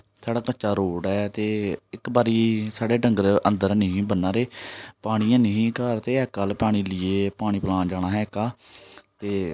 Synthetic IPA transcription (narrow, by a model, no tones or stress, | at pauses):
saːɽaːkət͡ʃaːɾoːɽɛːt̪eːɪkbaːɾiːsaːɽeːɖəŋɡəɾənd̪əɾnəɦĩːbənːãːɾeːpaːɽ̃iːãːnəɦĩːkaːɾt̪eːɛːkːalpaːɽ̃iːlɪeːpaːɽ̃iːplãːd͡ʒaːɽ̃aːɦɛːkaːt̪eː